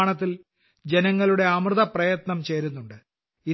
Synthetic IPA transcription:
ɳɐt̪ːil | d͡ʑe̞nɐŋːɐɭuɽe̞ɐmrɨðɐprɐjɐt̪nɐmt͡ɕe̞ːɾunːuɳɖɨ | i

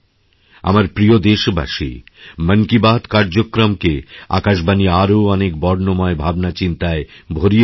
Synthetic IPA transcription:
a̰maɾpɾiod̪eʃba̰ʃḭməŋkibad̪kaɾd͡ʑokːɾomkea̰kaʃbaniaɾoɔnek̚bɔɾnomɔebʱabnat͡ɕint̪aebʱoɾi

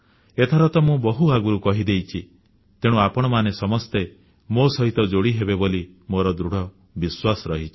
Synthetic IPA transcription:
et̪ʰaɾɔt̪ɔmũbɔɦuaɡuɾukɔɦid̪ejt͡ʃʰi | t̪eɽ̃ũapɔɽ̃ɔmanesɔmɔst̪e | mosɔɦit̪ɔd͡ʒoɽiɦebeboli | moɾɔd̪ɾuɽ̤ɔ | biswasɔɾɔɦit͡ʃʰi̥

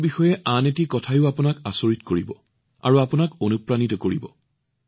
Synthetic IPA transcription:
bixɔjɛʔanetikɔtʰajʊapʊnakasoɹitkoɹibɔ̰ | a̰ɹuapʊnakonupɹanitɔkoɹḭbɔ̰

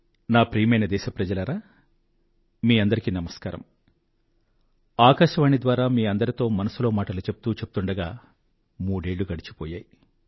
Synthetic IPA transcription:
naːpɾiːmɐjnɐd̪ɛːʃɐpɾɐd͡ʒɐlɐɾaː | miːɐnd̪ɐɾikinɐmɐskaːɾɐ̰m | aːkaʃɐʋaːɳid̪ʋaːɾaːmiːɐnd̪ɐɾit̪o̞ːmɐnɐsulo̞ːmaːʈɐlut͡ʃe̞p̚ut̪uːt͡ʃe̞pu̥t̪uɳɖɐɡaː | muːɽe̞ːɭːuɡɐɽit͡ʃi̥pɔːjaːji

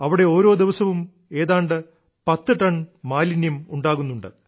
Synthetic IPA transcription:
ɐʋiɽe̞o̞ːɾo̞ːd̪iʋɐsɐʋum | e̞ːðaːɳɖɨ | pɐt̪ːɨʈɐɳmaːlinjɐmuɳɖaːɣunːuɳɖɨ

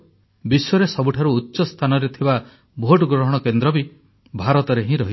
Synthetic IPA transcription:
biswɔɾesɔbuʈʰaɾuːtːʃɔst̪ʰanɔɾet̪ʰiba | bʱoʈɡɾɔɦɔɽ̃ɔkend̪ɾɔbi | bʱaɾɔt̪ɔɾeɦĩɾɔɦi

